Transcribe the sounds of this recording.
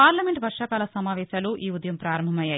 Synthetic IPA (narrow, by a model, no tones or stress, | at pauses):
paːɾlɐmeɳʈʋɐɾʂaːkaːlɐsɐmaːʋɛːʃaːluʔiːud̪jɐmpɾaːɾɐmbʱɐmɐjaːj